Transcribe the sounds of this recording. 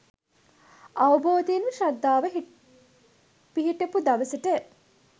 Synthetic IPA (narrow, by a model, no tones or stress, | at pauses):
ɐʋɐboːd̪inʋəʃɐd̪ːaːʋəɦ | piɦiʈɐpud̪ɐʋɐsɐʈə